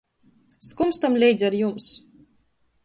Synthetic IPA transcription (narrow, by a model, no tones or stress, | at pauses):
skumst̪amlʲɛjd̪zʲaɾjums